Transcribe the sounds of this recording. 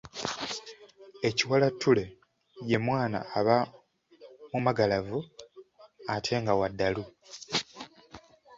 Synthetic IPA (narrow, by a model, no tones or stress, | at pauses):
eciwalatːule̞ | je̞mwaːna̰ːβa | mumaɡalavu | atʰe̞ːŋɡawadːalu